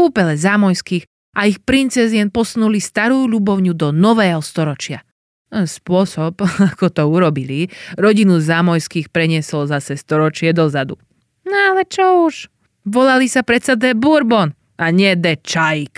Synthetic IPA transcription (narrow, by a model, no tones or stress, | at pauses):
uːpɛlɛzaːmɔjskiːx | ʔaixpɾint͡sɛzɪɛnpɔsnulist̪aɾuːʎubɔʊɲud̪ɔnɔʋɛːɦɔst̪ɔɾɔt͡ʃɪa | spʊɔsɔbakɔt̪ɔuɾɔbiliɾɔɟinuzaːmɔjskiːxpɾɛɲɪɛsɔlzasɛst̪ɔɾɔt͡ʃɪɛd̪ɔzad̪u | nalɛt͡ʃɔuʃ | ʋɔlalisapɾɛt̪sɛd̪ɛbuɾbɔn | ʔaɲɛd̪ɛt͡ʃajk